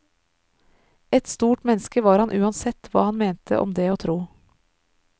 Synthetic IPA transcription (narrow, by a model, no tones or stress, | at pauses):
ɛt̪st̪uːʈmɛnskəʋɑːɾhɑnʔʉːɑnsɛt̪ʋɑ̰ːhɑnmeːnt̪ʰə̰ʔɔ̰md̪eːoːt̪ʰɾuː